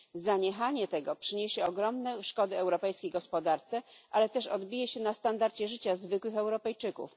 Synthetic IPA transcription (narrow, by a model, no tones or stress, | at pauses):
zaɲɛxaɲɛt̪ɛɡɔpʂɘɲeɕɛɔɡɾɔmnɛʂkɔd̪ɘɛwɾɔpɛjskʲejɡɔspɔd̪aɾt̪sɛʔalɛt̪ɛʂɔd̪bʲijɛɕɛnast̪and̪aɾt͡ɕɛʐɘt͡ɕazvɘkwɘxɛwɾɔpɛjt͡ʂɘkṵf